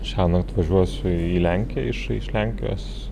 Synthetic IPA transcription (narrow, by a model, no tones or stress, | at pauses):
ʃʲæːnɐt̪ʋɐʒʲuɔsʲʊiːlʲæŋʲkʲɪjɛ̰ɪʃɪʃlʲæŋʲkʲɪjo̰ːs